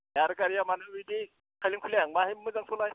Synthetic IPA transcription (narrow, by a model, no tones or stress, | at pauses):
jaɾɪkaɾɪjamanaɪde | kʰalɪŋ̩kʰulɛaŋ̩mahɪm̩mʊt͡saŋ̩sʊla